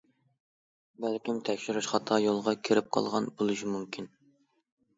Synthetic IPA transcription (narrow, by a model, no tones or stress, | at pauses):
bælkʲimt̪ʰɛkʲʃiɾuʃχɑt̪ʰɑjolˠʁɑkʲʰeɾɪp̚qʰɑ̰lˠʁɑnbolˠɨʃimumkʲʰin